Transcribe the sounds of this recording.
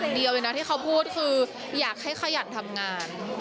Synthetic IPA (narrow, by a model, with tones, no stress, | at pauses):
ŋdi˧əwje˨˩na˦˥t̪ʰiː˥˩a˦˥wpʰuː˥˩t̪̚kʰɯː˧ | jaː˨˩k̚ha˥˩jkxʰa˧˥˩ja˨˩nt̪ʰa˧mŋaː˧n